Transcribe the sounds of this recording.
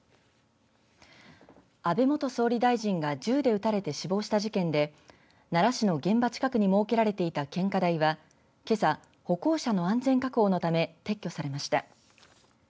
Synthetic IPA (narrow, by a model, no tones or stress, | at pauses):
abe̞mo̞t̪o̞so̞ːɾʲid̪aiʑĩŋɡad͡ʑɨːd̪e̞ɯ̟t̪aɾe̞t̪e̞ɕibo̞ːɕi̥t̪aʑikẽ̞nd̪e̞ | naɾaɕino̞ɡẽ̞mbat͡ɕi̥kakɯ̟ɲ̟imo̞ːke̞ɾaɾe̞t̪e̞it̪akẽ̞ŋkad̪aiβa | ke̞sa | ho̞ko̞ːɕano̞ãnd͡zẽ̞ŋkakɯo̞ːno̞t̪ame̞t̪e̞kʲːo̞saɾe̞maɕi̥t̪a